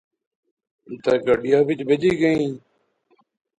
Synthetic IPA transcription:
t̪eːɡəɖɪjaːʋɪt͡ʃbed͡ʒiːɡəĩː

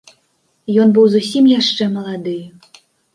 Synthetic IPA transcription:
jɔnbɨwzusʲimjaʂt͡ʂɛmɐlˠad̪ɨj

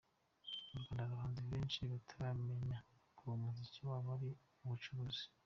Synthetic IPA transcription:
uɾɡwaːndakaβaːnziβeːnt͡ʃiβatʰaɾame̞ɲakuβamuziciwaβaɾi | uβut͡ʃuβozi̥

